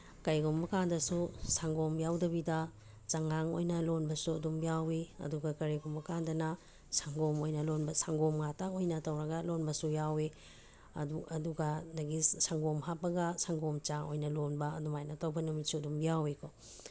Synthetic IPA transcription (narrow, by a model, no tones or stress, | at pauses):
kɐjɡumbɐkaŋdɐsusaŋɡomjawdɐbidɐ | t͡ʃaŋaŋojnɐlonbɐsuɐdumjaweɐ̰duɡɐkɐɾeɡumbɐkaŋdɐnɐ | saŋɡomojnɐlonbɐsaŋɡomŋatakojnɐtɐwɾɐɡɐlonbɐsujawe | ɐuɐduɡɐdɐɡisaŋɡomɦapɐɡɐsaŋɡomt͡ʃao̰jnɐlonbɐɐ̰dumajnɐtɐwbɐnumit̚suɐdumjawekʰɔ